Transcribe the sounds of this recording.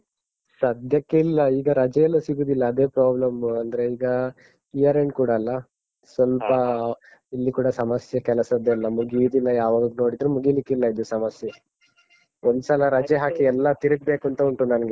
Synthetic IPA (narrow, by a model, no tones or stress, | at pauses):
sɐd̪ʱjɐkːeilːɐiːɡɐɾɐd͡ʒɐjɐlːɐsiɡuːd̪ilːɐːd̪e̞ːpɾaːblɐmɐnd̪ɐɾeiːɡɐ | ijɐɾeɳɖ̚kuːɽɐːlːɐ | sʋɐlpɐ | ilːikuːɽɐsɐmɐsjɐkɛlɐsɐd̪ːeilːɐmuɡid̪ilːɐjaːʋaːɡɐd̪uno̞ːɽid̪ɾumuɡilikːilːɐid̪ːusɐmɐsjɐ | ond̪usaːlɐɾɐd͡ʒeɦaːkiɛlːɐt̪iɾɐɡ̚beːkunt̪ɐuɳʈunɐnɐɡe